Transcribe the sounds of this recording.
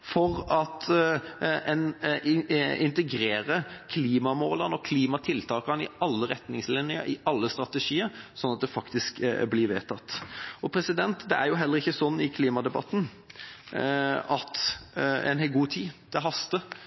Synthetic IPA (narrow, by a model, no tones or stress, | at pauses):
fɔɾɑt̪ | ɛn | ɪnt̪əɡɾeːɾəkʰliːmɑmoːlɑnɔkʰliːmɑt̪ʰɪlt̪ʰɑːkɑnɪ̰ɑlːəɾɛt̪nɪŋslɪnɪə̰ɪɑlːəst̪ɾʁɑt̪əʂiːəɾsɔnːɑt̪̚d̪ɛfɑkt̪ɪskblɪʋḛːt̪ʰɑt̪ːɔpʰɾɛsɪd̪ɛnt̪d̪ɛæɾjʊɦɛlːəɾɪçːəsɔnːɪkʰliːmɑd̪ɛbɑ̰t̪ːn̩ | ɑt̪ | ɛ̰nhɛlɡuːt̪ʰiːd̪̥ɛɦɑst̪ə